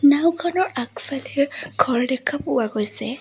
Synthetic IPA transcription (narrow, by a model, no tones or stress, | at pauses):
nawkʰanɔɹakfalɛɡ̥ʱɔɹdɛkʰapʊwaɡɔjsɛ